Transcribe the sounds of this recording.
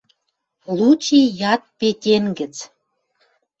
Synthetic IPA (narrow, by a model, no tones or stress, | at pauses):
lut͡ɕijɑt̪̚petʲenɡə̆t͡s